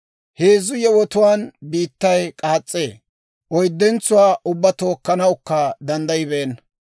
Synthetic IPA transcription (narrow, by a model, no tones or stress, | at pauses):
heːzʊjɛwɔt̪ʊwaːnbiːt̪ːɐjkʼaːt͡sʼːeː | ʔɔjd̪ːɛnt͡sːʊwaːʔʊbːɐt̪o̞ːkːɐnɐwkːɐd̪ɐnd̪ɐjɪbeːn